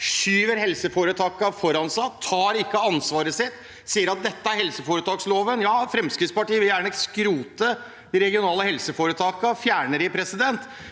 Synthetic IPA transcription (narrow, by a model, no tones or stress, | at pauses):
ʃyːʋəɾɦɛlsəfoːɾət̪ʰɑːkɑfɔɾɑnsɑt̪ʰːɑːɾɪkːəɑnsʋɑːɾəsɪt̪ː | siːəɾɑt̪̚d̪ɛt̪ːəæɾhɛlsəfoːɾət̪ʰɑːksloːʋənjɑːfɾɛmskɾɪd̪t̪spɑʈiːəʋɪljæːɳəskɾuːt̪ə | d̪ɪɾɛɡɪʊnɑːləhɛlsəfoːɾət̪ʰɑːkɑfjæːɳəɾɪpʰɾɛsɪd̪ɛnt̪